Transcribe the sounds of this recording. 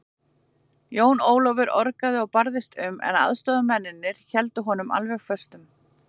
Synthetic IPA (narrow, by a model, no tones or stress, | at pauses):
joːwnoːwlɔvɪɾɔɾkaðɪɔɣpaɾðɪst̪ʏmʔɛ̰na̰ðst̪ɔːðʏmɛnːɪnːɪɾ̥çɛlt̪ʏɦɔnʏma̰lvɛɣfœ̥st̪ʏm